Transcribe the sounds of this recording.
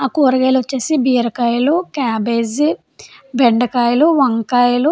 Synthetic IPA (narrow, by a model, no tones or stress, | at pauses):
aːkuːɾɐɡeːlʋɐt͡ʃːeːsibiːɐɾɐkaːjlukaːbeːzi | beɳɖɐkaːjluʋɐŋkaːjlu